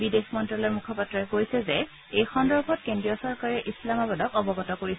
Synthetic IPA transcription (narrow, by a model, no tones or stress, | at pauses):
bidexmɔntɹalɔɹmukʰɔpatɹɔɛkojsɛzɛ | ejxɔndɔɹbʱɔt̚kendɹijɔsɔɹkaɹɛʔislamabɔdɔkɔbɔɡɔtɔkoɹis